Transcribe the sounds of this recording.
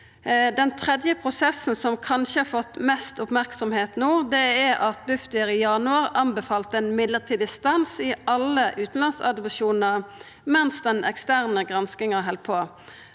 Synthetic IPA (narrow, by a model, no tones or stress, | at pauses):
d̪ɛnt̪ʰʁɛd̪jəpʰʁʊsɛsn̩sɔmkʰɑnʃəhɑɾfɔt̪ːmɛst̪ʊpmæʁksɔmheːt̪nuːd̪ɛæʔɑt̪̚bʉft̪ɪəɾijɑnʉɑʁɑmbɛfɑːlt̪ɛːnmɪd̪ləʁt̪ʰiːd̪ɪst̪ɑnsɪʔɑlːəʔʉːt̪n̩lɑnsɑ̰d̪ʊpʃuːnəʁ | mɛnsd̪ɛnʔɛ̰kst̪æːʁnəɡʁɑnskɪŋəɦɛlt̪̚pʰoː